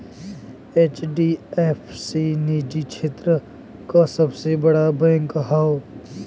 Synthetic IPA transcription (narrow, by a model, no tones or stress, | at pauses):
eːt͡ʃɖiːefʰsiːniːd͡ʒikt͡ʃʰeːt̪ɾə | kasɐbsebɐɽabɛ̃ːŋkɦaːo